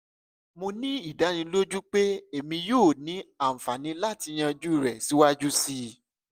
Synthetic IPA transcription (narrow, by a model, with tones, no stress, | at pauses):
mo˧nĩ˦i˦˨da˨˦nĩ˧lo˦d͡ʒu˦k͡pe˦e˦˨mĩ˧joː˦˨nĩ˨˦ã˦˨fa˨nĩ˨˦la˦˨ti˧j̃ã˧d͡ʒu˦i˦˨ɾɛ˨si˨˦wa˦d͡ʒu˦si˧